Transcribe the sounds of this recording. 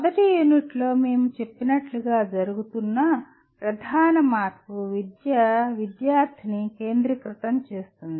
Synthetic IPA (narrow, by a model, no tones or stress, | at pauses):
ɐd̪ɐʈijuːniʈlo̞ːme̞ːmut͡ʃe̞pːinɐʈluɡaːd͡ʒɐɾuɡut̪unːɐ | pɾɐd̪ʱaːnɐmaːt̪kuʋid̪jɐʋid̪jaːɾt̪ʰinike̞ːnd̪ɾɐkɾɪt̪ɐmt͡ʃe̞ːst̪und̪i